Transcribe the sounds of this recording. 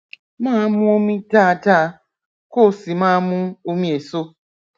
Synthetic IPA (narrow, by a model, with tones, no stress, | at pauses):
mãː˦mʊ̃˦o˦mĩ˦taː˦˨ta˦ | ko˦˨si˨mãː˦mʊ̃˦o˦mĩ˦e˨so˦